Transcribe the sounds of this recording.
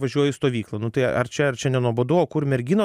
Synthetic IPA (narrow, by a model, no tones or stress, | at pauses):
ʋɐʒʲuɔjɪst̪oːʋʲiːklˠɐnʊt̪ɐɪɐ̰rt͡ʃʲɛɐrt͡ʃʲɛnʲɛnuɔboːd̪uɔoːkʊrmʲɛɾʲɡʲino